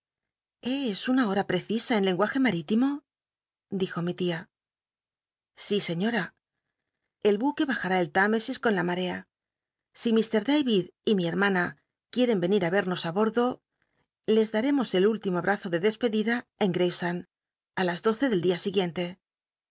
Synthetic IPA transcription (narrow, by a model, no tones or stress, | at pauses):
e̞esunao̞ɾapɾe̞θisae̞nle̞ŋɡwaxe̞maɾit̪imo̞ | d̪ixo̞mit̪ia | sise̞ɲo̞ɾa | e̞lβuke̞βaxaɾae̞lt̪ame̞sisko̞nlamaɾe̞a | simist̪e̞ɾðejβiðimie̞ɾmãna | kje̞ɾe̞mbe̞niɾaβe̞ɾno̞saβo̞ɾðo̞ | le̞zðaɾe̞mo̞se̞lult̪imoaβɾʔaθo̞ðe̞ðe̞spe̞ðiðae̞ŋɡɾefsan | alazðo̞θe̞ðe̞ld̪iasiɣje̞nt̪e̞